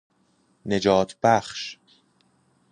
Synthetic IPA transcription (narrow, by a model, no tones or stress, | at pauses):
ne̞d͡ʒɒːt̪ʰb̥æχʃ